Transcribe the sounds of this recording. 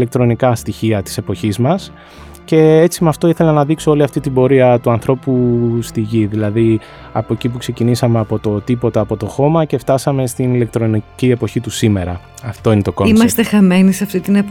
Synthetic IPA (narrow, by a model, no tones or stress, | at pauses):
lek̚t̪ɾo̞nikɐst̪içiɐt̪i̥se̞po̞çizmɐs | ce̞e̞t͡simɐft̪o̞iθe̞lɐnɐðikso̞o̞liɐft̪it̪ibo̞ɾiɐt̪uɐnθɾo̞pust̪iʝiðilɐði | ɐ̰poecipukse̞cinisɐmeɐpo̞t̪o̞t̪ipo̞t̪ɐːpo̞t̪o̞xo̞mɐce̞ft̪ɐsɐme̞st̪inile̞k̚t̪ɾo̞nicie̞po̞çit̪usime̞ɾɐ | ɐft̪o̞ine̞t̪okoimɐsst̪exɐme̞niseɐft̪it̪inep